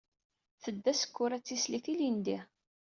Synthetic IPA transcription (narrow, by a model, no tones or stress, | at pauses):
θəd̪ːæsə̥kːʊɾæt͡sːisliθilind̪i